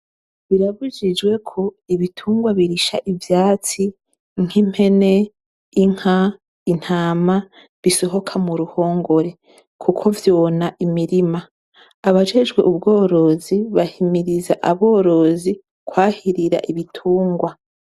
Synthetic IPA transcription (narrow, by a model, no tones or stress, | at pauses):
βiɾaβuʒid͡ʒɡwe̞kʰo̞iβitʰuːŋɡwaβiɾiʃa̰ʔivjaːt͡si | ŋ̥im̥he̞ne̞ː | ŋ̥ha | in̥haːma | βiso̞ɦo̞kʰamuɾuho̞ːŋɡo̞ɾe̞ | kʰukʰo̞vjonaʔimiɾimaː | βad͡ʒe̞d͡ʒɡwe̞ʔubɡo̞ːɾo̞ziβahimiɾiza̰ʔaβo̞ːɾo̞zi | kwaːhiɾiɾa̰ʔiβitʰuːŋɡwa